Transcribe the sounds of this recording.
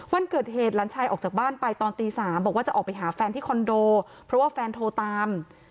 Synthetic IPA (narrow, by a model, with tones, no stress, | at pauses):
wa˧nkɤː˨˩t̪̚ɦeː˨˩t̪̚laː˩˦˥nt͡ɕʰaː˧jʔɔː˨˩k̚t͡ɕaː˨˩k̚baː˥˩npa˧jt̪ɔː˧nt̪iː˧saː˩˦mbɔː˨˩kwaː˥˩t͡ɕa˨˩ʔɔː˨˩k̚pa˧jɦaː˩˦fɛː˧nt̪ʰiː˥˩kʰɔ˧ndoː˧ | pʰɾɔ˦˥waː˥˩fɛː˧nt̪ʰoː˧t̪aː˧m